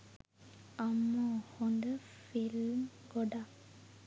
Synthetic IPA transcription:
amɔhond̪əfilmɡɔɖa

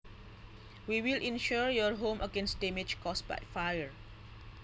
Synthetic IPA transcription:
wiwilʔĩnʃuɹjɔɹɦõməɡẽnsdɛmed͡ʒkʰɔsba̰jtfajə

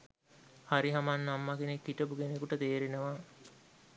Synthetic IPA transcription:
haɾiɦamanːamːakinekːiʈəpukenekuʈət̪eːɾenəʋa

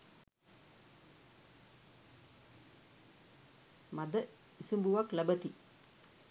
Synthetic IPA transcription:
mad̪ə | isumbuʋakləbət̪i

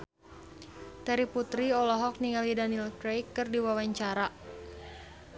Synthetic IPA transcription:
t̪ɛɾiput̪ɾiɔlɔɦɔk̚niŋalidanilkɾejkːɨrdiwawaɲt͡ʃaɾa

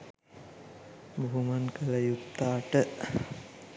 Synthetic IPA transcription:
buɦumankələjut̪ːaːʈə

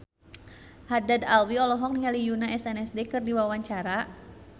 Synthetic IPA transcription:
hadad̪alwiɔlɔɦɔk̚niŋalijunaɛsɛnɛsdekɨrdiwawaɲt͡ʃaɾa

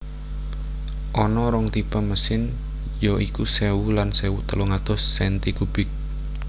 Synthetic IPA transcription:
ʔɔnɔɾɔŋt̪ipaməsɪn | jɔʔikusɛwulansɛwut̪əluŋat̪ʊsːɛnt̪ikub̥ɪk̚

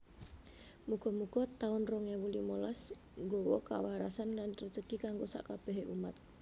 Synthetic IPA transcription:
muɡ̥ɔ̤muɡ̥ɔ̤t̪aʊnrɔŋjawulimɔlas | ŋɡowɔ̰ka̰waɾasanlanrət͡ʃəkikaŋɡosa̰ʔkab̥ɛ̤ɦeʔumat̪̚

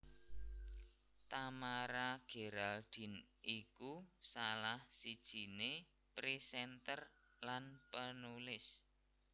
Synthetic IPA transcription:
t̪amaɾaɡ̥e̤ɾald̪̥i̤nikusalahsid̥ʒ̥i̤ne | pɾisɛnt̪ər | lanpənulɪs

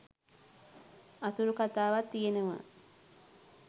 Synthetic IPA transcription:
at̪uɾukat̪aːʋat̪ːijenəʋə̰

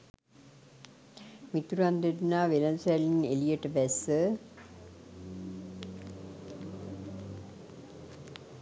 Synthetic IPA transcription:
mit̪uɾand̪eɾinaːʋelɐnsɛlinelijeʈəʋɛsə

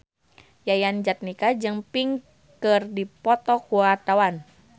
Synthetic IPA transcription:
jajand͡ʒat̪̚nikad͡ʒɨŋpiŋ | kɨrdipɔt̪ɔkuat̪awan

